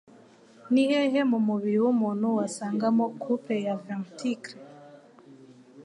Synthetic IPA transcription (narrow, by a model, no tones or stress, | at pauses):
niheɦemumuβiɾiwumuːn̥huwasaːŋɡamokʰupejavamtʰikɾe